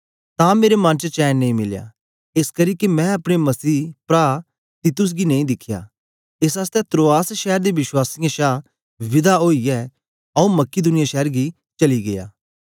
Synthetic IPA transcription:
t̪ãːmeːɾemɐ̃nt͡ʃət͡ʃɛːnːeĩmɪlja̰ | ɪskɐɾiːkemɛ̃ɐpɽ̃emɐsiːpɾaː | t̪it̪ʊs̬ɡineĩd̪ɪkʰːja̰ː | ɪs̬aːst̪ɛt̪ɾoːaːsʃɛːəɾd̪eʋɪswaːsɪjãʃaː | ʋɪd̪aɦoːiɛː | ɐũmɐkid̪ʊnɪjaʃɛːɾɡi | t͡ʃɐliɡeja̰ː

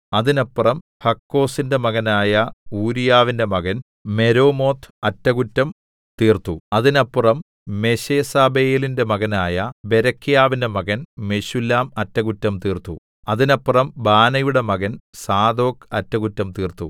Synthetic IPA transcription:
ɐðinɐpːrɐm | hɐkːo̞ːsinde̞mɐɣɐnaːjɐuːɾijaːʋinde̞mɐɣɐn | me̞ɾo̞ːmo̞ːt̪ʰɐtːɐɣutːɐm | t̪iːrt̪uɐðinɐpːurɐm | me̞ɕeːsaːbejlinde̞mɐɣɐnaːjɐbeɾɐkʰːijaːʋinde̞mɐɣɐnme̞ɕulːaːmɐtːɐɣutːɐmt̪iːrt̪ṵ | ɐðinɐpːurɐmbaːnɐjuɽe̞mɐɣɐnsaːd̪o̞ːkɐtːɐɣutːɐmt̪iːrt̪ːṵ

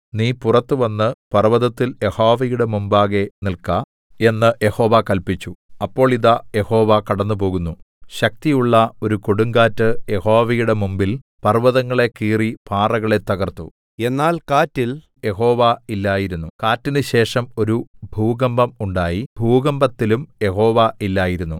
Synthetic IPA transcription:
niːpurɐt̪ːɨʋɐnːɨpɐrʋɐðɐt̪ːiljehoːʋɐjuɽe̞mumbaːɣe̞nilkɐ | e̞nːɨje̞ho̞ːʋakɐlpit͡ɕːuɐpːo̞ːɭiðɐje̞ho̞ːʋakɐɽɐnːup̬o̞ːɣunːu | ɕɐk̚t̪ijuɭːɐo̞ɾuko̞ɽuŋɡaːtːɨje̞ho̞ːʋɐjuɽe̞mumbil | pɐrʋɐðɐŋːɐɭe̞kiːripʰaːrɐɣɐɭe̞t̪ːɐɣɐrt̪ṵ | e̞nːaːlkaːtːil | je̞ɦo̞ːʋailːaːjiɾunːukaːtːinɨɕe̞ːʂɐmo̞ɾubʱuːɡɐmbɐmuɳɖaːjibʱuːɡɐmbɐt̪ːilumje̞ho̞ːʋaʔilːaːjiɾunːu

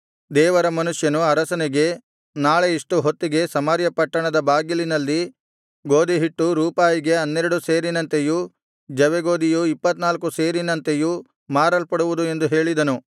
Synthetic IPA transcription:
d̪ɛːʋɐɾɐmɐnuʂjɐnuɐɾɐsɐniɡe̞ | naːɭeiʂʈuɦot̪ːiɡe̞sɐmaːɾjɐpɐʈːɐɳɐd̪ɐbaːɡilinɐlːi | ɡo̞ːd̪iɦiʈːuɾuːpaːjiɡe̞ɐnːeɾɐɽuse̞ːɾinɐnt̪eju | d͡ʒɐʋeɡo̞ːd̪ijuipːɐt̪naːlkuseːɾinɐnt̪eju | maːɾɐlpɐɽuʋud̪ue̞nd̪uɦe̞ːɭid̪ɐnu

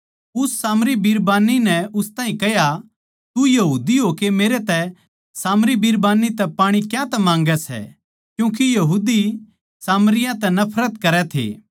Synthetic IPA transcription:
ʊsːaːmɾibiɾbaːninɛʊst̪ãːɦĩkɛɦja | t̪ujɐɦuːd̪iɦoːkemeːɾet̪ɛ | saːmɾibiɾbaːnit̪ɛpaːɽ̃ikjãt̪ɛmãːŋɡɛsɛ̰ | kjũːk̬ijɐɦuːd̪i | saːmɾɪjãt̪ɛnɐpʰɾət̪kɐɾɛt̪ʰḛː

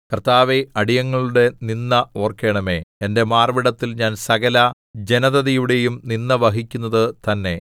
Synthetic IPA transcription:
kɐrt̪aːʋeɐɽijɐŋːɐɭuɽe̞ninːɐo̞ːrkːe̞ːɳɐme̞ende̞maːrʋiɽɐt̪ːilɲaːnsɐɣɐlɐ | d͡ʑe̞nɐðɐðijuɽe̞jumninːɐʋɐɦikʲːunːɐðɨt̪ɐnːe̞

